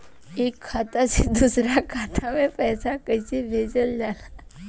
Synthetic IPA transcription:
ekʰːat̪ased̪usɾakʰat̪ʰamẽpɛsakəjsebʱed͡ʑəljala

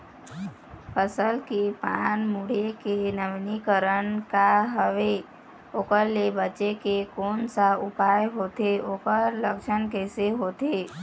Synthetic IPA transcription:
pʰəsəlkepaːnmuɽekenəʋnikəɾənkaɦəʋe | oːkəɾːebət͡ʃekekoːnsaʊpaːjɦoːt̪eoːkəɾləkʃənkɛːseɦoːt̪eː

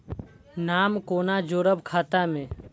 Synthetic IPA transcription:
naːmkoːnad͡ʒoːɾəbkʰaːt̪amẽ

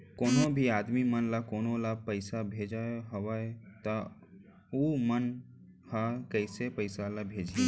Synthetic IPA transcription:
koːnobʱiaːd̪mimənlakoːnolapəɪsabʱed͡ʒaɦəwaet̪ɔ | umən | hakəɪsepəɪsalabʱed͡ʒi

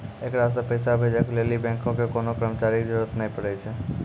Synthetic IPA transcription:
eːkɾas̬apəɪsabʱed͡ʒəkleːlibɛ̃ːŋkõkekoːnokɾəmt͡ʃaːɾikd͡ʒəɾuɾət̪nəɦĩpəɽet͡ʃʰe

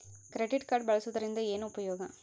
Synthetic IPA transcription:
kɪɾɛɖɪʈkaːʈbɐɭɐsɯt̪ːɐɾɪnd̪ɐeːnɐʊpɐjoːɣɐ̃

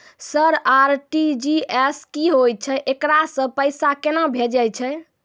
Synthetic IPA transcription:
səɾaɾʈid͡ʒieskiɦoj̚t͡ʃʰɛʔekɾasə̃pəjsakenabʱed͡ʒajt͡ʃʰɛ

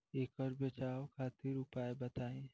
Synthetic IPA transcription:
eːkɔːɾbet͡ʃaːokʰaːt̪ɪɾʊpaːebɐt̪aːẽ

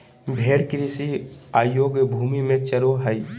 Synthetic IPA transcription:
bʱeːɽkɾisiaːjoːɡbʱumimẽt͡ʃəɾoɦəj

